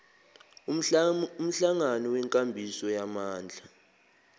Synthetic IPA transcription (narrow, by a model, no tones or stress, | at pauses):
um̩ɬaŋanɔwɛŋkʼambʱisɔjamaːnd͡ɮʱa